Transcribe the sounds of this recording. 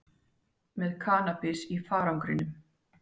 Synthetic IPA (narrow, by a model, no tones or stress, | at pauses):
mɛðkʰaːnapɪsifaːɾawŋkɾɪnːʏm